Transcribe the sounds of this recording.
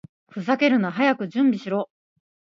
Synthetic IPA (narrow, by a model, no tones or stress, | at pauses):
ɸɯ̟zake̞ɾɯ̟naɦajakɯ̟d͡ʑɨ̃mbʲiɕiɾo̞ː